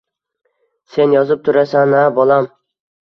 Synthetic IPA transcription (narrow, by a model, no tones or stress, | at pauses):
se̞njɒzɪp̚t̪ʰʊɾasanabɒlˠam